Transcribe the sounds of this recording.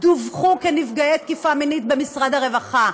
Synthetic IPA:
d̪uvχukenifɡajejt̪̚kifaminit̪̚be̞misʁad̪haʁe̞vaχa

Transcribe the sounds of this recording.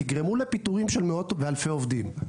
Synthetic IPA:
iɡʁemulepit̪uʁimʃelmeo̞t̪vealfeovd̪im

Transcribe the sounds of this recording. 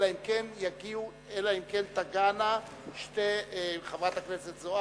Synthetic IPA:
laimkenjaɡiu | elaimkent̪aɡana | ʃteχavʁat̪haknet͡set̪zoa

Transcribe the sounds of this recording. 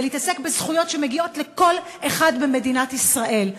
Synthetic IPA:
leiit̪ase̞kbezχujo̞tʃe̞meɡio̞tle̞ko̞l | eχadbeme̞dinatisʁaʔe̞l

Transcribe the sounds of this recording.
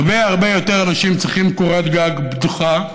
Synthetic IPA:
beaʁbejo̞t̪eʁanaʃimt͡sʁiχimkoʁet̪ɡaɡbd̪uχa

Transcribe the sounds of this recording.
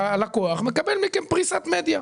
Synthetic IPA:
alakoaχmekabelmikenpʁisat̪med̪ja

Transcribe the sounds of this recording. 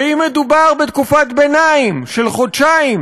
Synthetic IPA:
imed̪ubaʁbet̪kufat̪benaimʃelχodʃaim

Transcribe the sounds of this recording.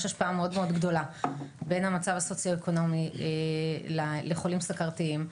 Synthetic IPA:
ʃaʃpaameo̞dmeo̞dɡdo̞labe̞nhamat͡savaso̞t͡sjoeko̞no̞mielaleχo̞limsakaʁtiim

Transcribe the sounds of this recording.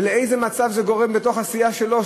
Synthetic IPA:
leejzemat͡savzeɡo̞ʁe̞mbet̪o̞χasijaʃe̞lo̞

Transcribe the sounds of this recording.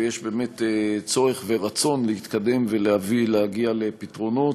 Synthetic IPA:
jeʃbe̞ːme̞t̪et͡so̞ʁeχve̞ʁat͡so̞nlehit̪kad̪e̞mvelehavilehaɡialepitʁo̞no

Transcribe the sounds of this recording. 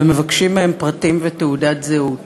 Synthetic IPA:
eme̞vakʃimeempʁatimvet̪eudat̪zeut

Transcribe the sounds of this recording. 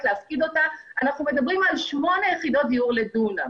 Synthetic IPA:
tleafkid̪o̞taanaχnume̞d̪abʁimalʃmo̞nejeχid̪o̞t̚d̪iuʁle̞duna

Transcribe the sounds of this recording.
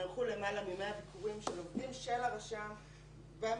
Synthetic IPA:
alχule̞malamimeabikʰuʁimʃelomdimʃelaʁaʃa | bem

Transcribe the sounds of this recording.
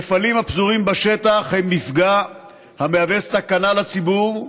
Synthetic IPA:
efalimhapzuʁimbaʃe̞t̪aχhemːifɡa | hameavessakanalat͡sibuʁ

